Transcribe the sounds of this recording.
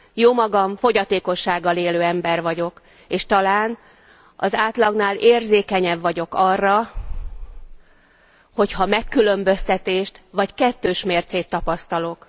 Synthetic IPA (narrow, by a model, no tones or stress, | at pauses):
joːmɒɡɒɱfo̞ɟɒt̪eːko̞ʃːaːɡːɒleːløːɛmbɛrvɒɟo̞k | eːʃt̪ɒlaːn | ɒ̰zaːt̪lɒɡnaːleːrzeːkɛɲɛbvɒɟo̞kɒrːɒ | ho̞chɒmɛkːylø̞mbø̞st̪ɛt̪eːʃt̪ʋɒckɛt̪ːøːʃmeːrt̪seːt̪ːɒpɒst̪ɒlo̞k